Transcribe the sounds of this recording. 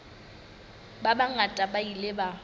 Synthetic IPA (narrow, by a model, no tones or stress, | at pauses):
babaŋatʼabailɪba